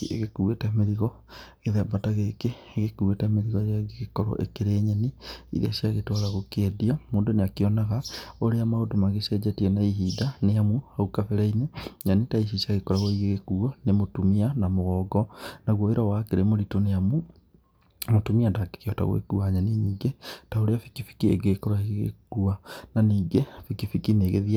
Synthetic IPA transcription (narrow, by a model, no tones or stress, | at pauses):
eɣekuetɛmeɾiɣɔ | ɣeðɛbataɣekeːɣekuetɛmeɾiɣɔeɾeaɣeɣekɔɾɔ̰ʔḛkeɾeːɲɛniḭɾ̰a̰siaɣetɔɾaɣokeɛdiamoːndoneakeɔnaɣaoɾeamaodomaɣesɛd͡ʒɛtiɛnaiɦiːdaneamuaukafɛɾaineɲanetaiʃ̬isaɣekɔɾaɣoiɣeɣekuɔnemotumianamoɣɔːɡɔnaɣwoeɾawakeɾemoɾitoneamu | motumiandake̥keɔta̰ɣo̰ḛkuaɲaniniːŋɡetaoɾeafi̥kifi̥kiḛɡekɔɾaeɣɣḛkuananiːɡefikifikineːɣeðia